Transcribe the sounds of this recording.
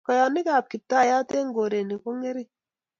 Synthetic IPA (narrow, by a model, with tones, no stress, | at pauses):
kɔ˨jɔ˨ni˦ka˦˨p̚ki˨p̚ta˦˨ja˦te˦ŋ˦ɡo˨ɾe˨ni˨ko˦ŋe˦ɾi˦